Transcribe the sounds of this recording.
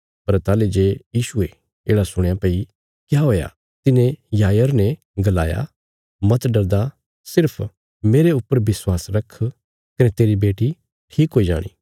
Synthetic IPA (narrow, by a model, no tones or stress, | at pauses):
pɐɾt̪aːled͡ʒeːjiːʃue | eːɽasʊɽ̃japeːi | kjaːɦoːja̰ | t̪ɪnẽjaːjəɾnɛ̃ | ɡɐla̰ːja̰ | mɐt̪ɖɐɾd̪a | sɪɾpʰ | meːɾeʊpːəɾʋɪswaːsɾɐkʰ | kɐnɛt̪eːɾibeːʈi | ʈʰiːkɦoːid͡ʒa̰ːɽ̃ḭː